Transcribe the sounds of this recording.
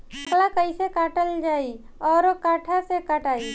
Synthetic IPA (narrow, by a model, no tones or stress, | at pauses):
klakəisekaːʈəld͡ʒaːi | ɔːɾokaːʈʰasekaːʈaːiː